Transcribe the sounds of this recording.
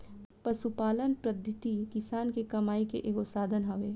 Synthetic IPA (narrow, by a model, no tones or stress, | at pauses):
pɐsupaːlənpɾɐd̪ʱɪt̪ikɪsaːnkekɐmaːikḛʔeɡosaːd̪ʱənɦɐʋeː